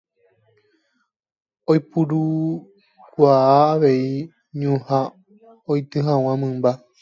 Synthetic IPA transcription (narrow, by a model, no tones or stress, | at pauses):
ojpuɾu | kʷaaːʋe̞i | ɲũha | ojt̪ɨɦãw̃ãmɨ̃mba